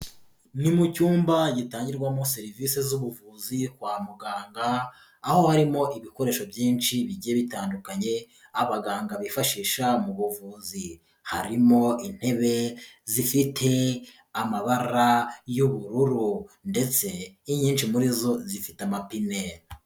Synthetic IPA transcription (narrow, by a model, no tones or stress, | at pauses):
ɲimucuːmbaɟitaːɲɟiɾɡwamo̞se̞ɾivise̞zuβuvuːzikwaːmuɡaːŋɡaː | ho̞haɾimo̞ʔiβiko̞ɾe̞ːʃo̞bjiːnʃiβiɟijeβitaːndukaɲe̞ | aβaɡaːŋɡaβifaʃiːʃamuβuvuːzi | ha̰ɾimo̞in̥he̞βe̞zifitʰe̞ | amaβaɾajuβuɾuɾunde̞t͡se̞iɲiːnʃimuɾizo̞zifi̥tamapineɾ